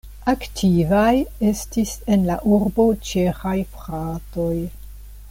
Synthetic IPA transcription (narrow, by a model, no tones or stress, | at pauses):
aktʰivaje̞stise̞nlaʔuɾbo̞t͡ʃe̞xajfɾato̞j